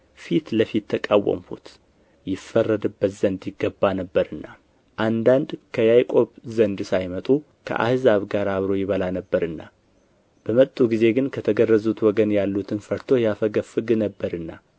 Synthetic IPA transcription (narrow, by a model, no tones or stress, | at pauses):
fit̪ləfit̪ʰːəkʼawə̰mfṵt̪ | jɪfərːəd̪ɨbːət̪z̥ənd̪jɪɡːəbːanəbːəɾɨnːa | ʔand̪and̪kʰəjajkʼo̞βzənd̪sajmət̪ʼu | kʰə̰ʔa̰hɨzaβɡaɾaβɾo̞jɪβəlanəbːəɾɨnːa | b̥əmət̪ʼːuɡize̞ɡɨnkʰət̪ʰəɡərːəzut̪wɔɡənjalːut̪ʰɨnfəɾt̪ʰo̞jafəɡəfɨɡɨnəbːəɾɨnːa